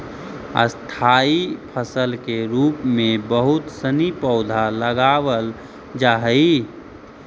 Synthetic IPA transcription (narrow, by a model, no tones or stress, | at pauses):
ə̰st̪ʰaːipʰəsəlkeɾuːpmẽbəɦʊt̪sənipɔʊd̪ʱaləɡaːʋəl | d͡ʒaːɦəi